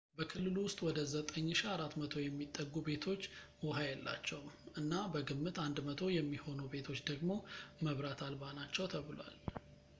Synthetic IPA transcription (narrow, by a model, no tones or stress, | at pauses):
bəkʰɨlːɨluwʊst̪ʼwɔd̪əzət̪ʼəɲːɨʃiaɾat̪ːmət̪ʰo̞jɛmːit̪ʼːəɡːube̞t̪ʰo̞t͡ʃː | wɔɦajɛlːa̰t͡ʃːɛwmʔɨnːabəɡɨmːɨt̪and̪mət̪ʰo̞jɛmːiho̞nube̞t̪ʰo̞t͡ʃːd̪əɡmo̞məβɾat̪ʰalbanat͡ʃːɛwt̪ʰəβɨlwa̰l